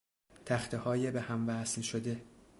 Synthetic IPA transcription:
t̪ʰæxt̪ʰehɒːjebehæmvæːsnʃod̪e̞

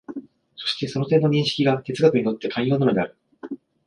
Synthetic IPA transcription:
so̞̥ɕi̥t̪e̞so̞no̞t̪ẽ̞nːo̞ɲ̟ĩɕi̥kʲiɡat̪e̞t͡sɨɡakɯ̟ɲino̞t̪ːe̞kʰãɰ̃jo̞ːnano̞d̪eaɾɯ̟

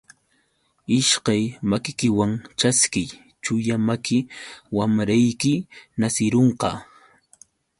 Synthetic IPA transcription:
ɪʃkajmakɪkɪwaŋt͡ʃaskɪj | t͡ʃʊjamakʰɪwamɾajkɪnasɪɾoɴqɑ̰

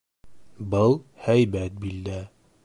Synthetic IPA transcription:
bɤlˠhæjbæt̪̚bild̪æ

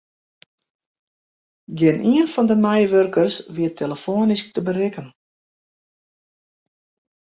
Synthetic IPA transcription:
ɡɪnʔiənfɔndəmɛjʋørkərsʋiətʰeləfoːnisk̚təbərɪkən

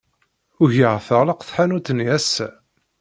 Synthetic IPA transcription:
ʊʝəʁθəʁləqθħanut̪ːənjæsæ

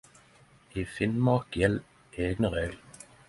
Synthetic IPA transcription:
iːfɪnmɑkjɛl | ʔeːɡnəʁeːɡl

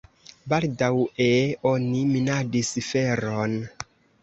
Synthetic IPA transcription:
baldaweoniminadisfeɾon

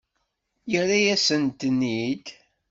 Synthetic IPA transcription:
jəræjæsənt̪ənːid̪

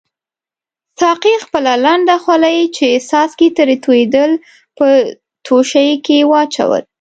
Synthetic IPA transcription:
sɑqixpəlalaɳɖaxwalajit͡ʃesɑskit̪əɾet̪ujed̪əl | pə | t̪ʰoʃajkewɑt͡ʃa̰wə̰l

